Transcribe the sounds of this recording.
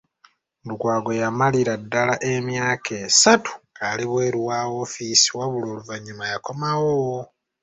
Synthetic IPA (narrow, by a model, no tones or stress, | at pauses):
dukwaːɡo̞jamaliɾadːalaʔe̞mjaːkʰe̞satu̥aliβwe̞ːɾuwaːo̞fisiwaβuloːluvaɲːumajako̞mawo